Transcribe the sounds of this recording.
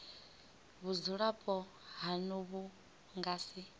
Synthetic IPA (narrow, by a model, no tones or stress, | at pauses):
βuzuɺapʼɔ | ɦanɔβu | ŋɡaːsi